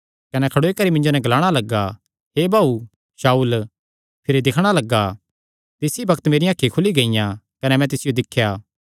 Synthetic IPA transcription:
kɐnɛkʰɐɽoːikɐɾimɪ̃ɲd͡ʒonɛ̃ɡɐlaːɽ̃alɐɡːa | ɦeːbʱaːu | ʃaːuːl | pʰɪɾid̪ɪkʰɽ̃alɐɡːa | t̪ɪsibɐkt̪meːɾĩjãːkʰːikʰʊliɡɐɪjã | kɐnɛmɛ̃t̪ɪsɪjod̪ɪkʰːjaː

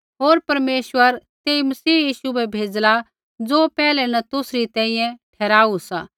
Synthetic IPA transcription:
ɦoːɾpɐɾmeːswəɾt̪eːimɐsiːjiːʃubɛbʱeːd͡zla | d͡zoːpɛːlɛnɐt̪ʊsɾit̪ɛ̃ːĩjɛ̃ʈʰɛːɾaːusa

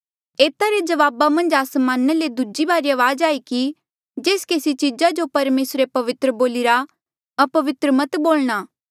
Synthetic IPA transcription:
eːt̪aɾed͡ʒɐʋaːbamɐ̃nd͡ʒaːsmãːnəled̪ud͡ʒibaːɾiɐʋaːd͡ʒaːiki | d͡ʒeːskeːsit͡ʃid͡ʒad͡ʒopɐɾmeːsɾepɐʋɪt̪ɾəboːliɾa | ɐpɐʋɪt̪ɾəmɐt̪boːlɽ̃aː

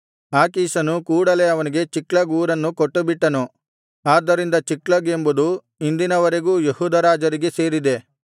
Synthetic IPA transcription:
aːkiːsɐnukuːɽɐle̞ɐʋɐniɡe̞t͡ʃiklɐɡuːɾɐnːukoʈːubiʈːɐnu | aːd̪ːɐɾind̪ɐt͡ʃiklɐɡembud̪u | ind̪inɐʋɐɾe̞ɡuːjehuːd̪ʱɐɾaːd͡ʒɐɾiɡe̞se̞ːɾid̪e̞

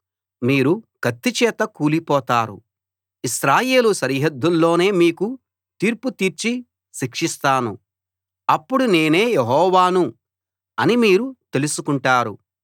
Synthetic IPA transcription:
miːɾuɡ̥ɐt̪ːit͡ʃɛːt̪ɐkuːlipɔːt̪aːɾṵ | iʃɾaːje̞ːluʃɐɾɦɐd̪ːulːo̞ːne̞ːmiːku | t̪iːɾput̪iːɾt͡ʃi | ʃikʂist̪aːnu | ɐpːuɽune̞ːne̞ːjeɦɔːʋaːnu | ɐnimiːɾut̪e̞lusukuɳʈaːɾu

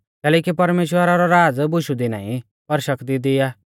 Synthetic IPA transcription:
kɛːlɛːkipɐɾmeːʃwəɾaɾɔɾaːd͡zbʊʃud̪ina̰ːḭ̃ | pɐɾʃɐkt̪id̪ɪjaː

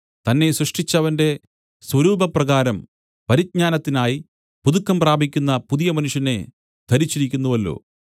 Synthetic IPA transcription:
t̪ɐnːe̞srɐʂʈʰit͡ɕːɐʋɐnde̞ | swɐɾuːbʱɐprɐɣaːɾɐm | pɐɾid̪̚ɲaːnɐt̪ːinaːji | puðukːɐmpraːbʱikʲːunːɐpuðijɐmɐnuʂjɐne̞ | d̪̥ʱɐɾit͡ɕːiɾikʲːunːuʋɐlːo̞̰ː

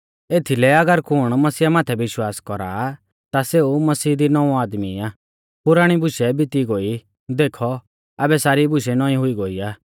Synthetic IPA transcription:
eːt̪ʰilɛɐɡəɾkʊɽ̃mɐsiːamaːt̪ʰɛʋɪʃwaːskɔɾa̰ː | t̪aseːumɐsiːd̪inɔũaːd̪miaː | pʊɾaːɽ̃ibʊʃɛbɪt̪iɡoi | d̪eːkʰɔ | aːbɛsaːɾibʊʃ̬ɛnɔːĩɦʊiɡoːiaː

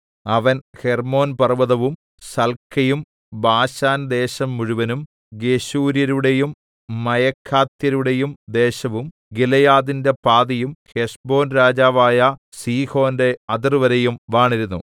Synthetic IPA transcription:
ɐʋɐnhermo̞ːnpɐrʋɐðɐʋum | sɐlkʰːɐjum | baːɕaːnd̪e̞ːɕɐmːuɻuʋɐnum | ɡeɕuːɾjɐɾuɽejumː | ɐjɐkʰːaːt̪jɐɾuɽejumd̪e̞ːɕɐʋum | ɡilɐjaːðinde̞paːðɐjumheʂbo̞ːnɾaːd͡ʑaːʋaːjɐ | siːho̞ːnde̞ɐd̪irʋɐɾejumʋaːɳiɾunːṵ

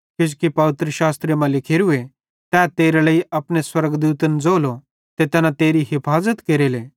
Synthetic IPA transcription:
kɪd͡ʒkipɐʋɪt̪ɾəʃaːst̪ɾemãlɪkʰeːɾue | t̪ɛːt̪eːɾelɐiʔɐpɽ̃eswɐɾɡd̪uːt̪ənd͡zoːlo | t̪et̪ɛːnat̪eːɾiɦɪpʰaːzət̪keːɾeːleː

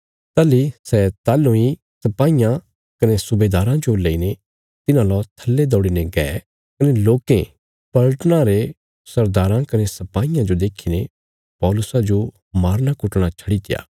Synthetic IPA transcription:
t̪aːlisɛt̪aːlõĩ | sɐpaːijã | kɐnesʊbeːd̪aːɾãd͡ʒoleːine | t̪ɪnãlɔt̪ʰɐlːed̪ɔːɽineɡɛː | kɐneloːkẽ | pɐɭʈnãɾe | sɐɾd̪aːɾãkɐnesɐpaːijãd͡ʒod̪eːkʰːine | pɔːlʊsad͡ʒo | maːɾnakʊʈɽ̃at͡ʃʰɐɽit̪ɪja̰ː

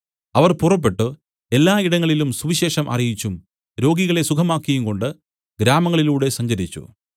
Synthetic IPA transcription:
ɐʋɐrpurɐp̬ːe̞ʈːu | e̞lːaːiɽɐŋːɐɭilumsuʋiɕe̞ːʂɐmʔɐ̰rijit͡ɕːum | ɾo̞ːɡiɣɐɭe̞sukʰɐmaːkːijumko̞ɳɖɨ | ɡɾaːmɐŋːɐɭiluːɽe̞sɐɲd͡ʑɐɾit͡ɕːṵ

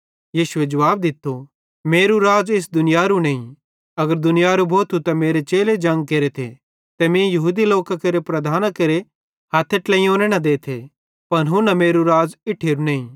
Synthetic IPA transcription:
jiːʃʊed͡ʒɐʋaːb̚d̪ɪt̪ːo | meːɾuɾaːd͡ʒɪs̬d̪ʊnɪjaɾunẽːĩ | ɐɡəɾd̪ʊnɪjaɾubʱoːt̪ʰut̪ɐmeːɾet͡ʃeːled͡ʒɐ̃ŋɡ̚keːɾet̪ʰḛ | t̪ɐmẽjɐɦuːd̪iloːkakeɾepɾɐd̪ʱaːnakeɾe | haːt̪ʰːeʈlɛ̃ĩõːnɛɽ̃ɐd̪eːt̪ʰe | pɐnɦunɐmeːɾuɾaːzɪʈʰːeːɾunɛ̃ːĩ

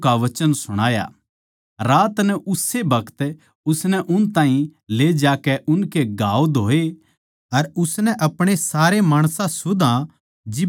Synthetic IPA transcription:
kaʋɐt͡ʃənsʊɽ̃aːja̰ | ɾaːt̪nɛʔʊsːebɐkʰə̥t̪ | ʊsnɛʔʊnt̪ãːɦĩled͡ʒaːkɛʔʊnkeɡaːod̪ʱoːe | ɐɾʊsnɛʔɐpɽ̃esaːɾemaːɽ̃sãsʊd̪ã | d͡ʒɪ

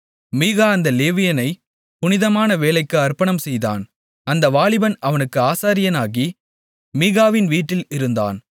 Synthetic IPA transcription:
miːɣaːɐnd̪ɐleːʋɪjɐnɐɪ | pʊnɪðɐmaːnɐʋeːlɐɪkːɯɐɾpɐɳɐmsɛjða̰ːn | ɐnd̪ɐʋaːɭɪbɐnɐʋɐnɯkːɯaːsaːɾɪjɐnaːɣi | miːɣaːʋɪnʋiːʈːɪlɪɾɯnd̪a̰ːn

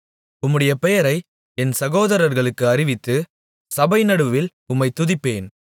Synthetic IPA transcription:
ʊmːɯɽɐjɐpɛjɐɾɐɪ | ɛnsɐɣoːðɐɾɐɾɣɐɭɯkːɯɐɾɪʋɪt̪ːɯ | sɐbɐɪnɐɽɯʋɪl | ʊmːɐɪt̪ʊðɪpːeːn

